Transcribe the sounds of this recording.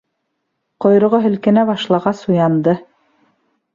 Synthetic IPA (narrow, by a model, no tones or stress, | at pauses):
qŏjɾŏʁoɦɵ̆lkɘ̆næbɑʃlˠɑʁɑsujɑnd̪ɤ